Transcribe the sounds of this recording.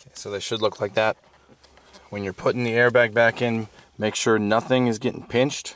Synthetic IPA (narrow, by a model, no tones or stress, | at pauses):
kʰeɪsoʊðeɪʃɨdˡlʊklaɪk̚ðæt̚ | wɨ̃njə˞pʰʊɾɪ̃ŋðiɛɹbæɡ̚bækɪ̃nmeɪkʃʊɹnʌθɪ̃ŋɨzɡɛɾɪ̰̃ŋpʰɪ̃nt͡ʃt